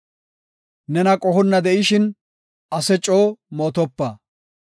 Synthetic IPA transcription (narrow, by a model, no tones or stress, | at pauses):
nɛnɐkʼɔhɔnːɐd̪ɛʔɪʃɪn | ɐsɛt͡ʃʼːoːmoːt̪ɔpːɐ